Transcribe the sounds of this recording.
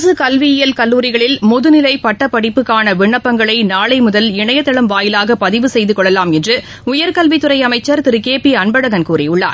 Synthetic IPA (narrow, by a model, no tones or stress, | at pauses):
sɯkɐlʋɪɪjɐlkɐlːuːɾɪɣɐɭɪlmɔðɯnɪlɐɪpɐʈːɐpːɐɽɪpːɯkːaːnɐʋɪɳːɐpːɐŋɡɐɭɐɪnaːɭɐɪmʊðɐlɪɳɐjɐt̪ːɐɭɐmʋaːjɪlaːɣɐpɐðɪʋɯsɛjðɯkɔɭːɐlaːmɛndrɯ | ʊjɐɾkɐlʋɪt̪ːɯɾɐɪɐmɐɪt͡ʃːɐɾt̪ɪɾɯkeːpiɐɳbɐɽɐɣɐnkuːrɪjʊɭːa̰ːɾ